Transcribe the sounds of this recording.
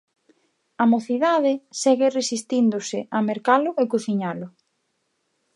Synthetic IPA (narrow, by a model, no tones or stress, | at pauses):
amoθiðaðɪsɛɣɪresist̪ind̪ʊsɪʔameɾkalʊʔekuθiɲalʊ